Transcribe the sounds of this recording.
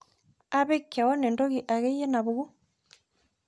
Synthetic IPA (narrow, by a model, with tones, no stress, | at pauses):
a˦βɛ˦kːja˨wɔ˦nɛ˨ndɔ˦ɣi˨ʔa˨ɣɛ˦jɛ˦na˨βu˨ɣu˦